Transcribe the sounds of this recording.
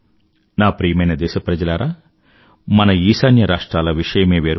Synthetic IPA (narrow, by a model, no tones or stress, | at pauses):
naːpɾiːjɐmɐjnɐd̪ɛːʃɐpɾɐd͡ʒɐlaːɾʔaː | mɐnɐiːsaːnjɐɾaːʂʈɾaːlɐʋiʂɐjɐmeːʋeːɾ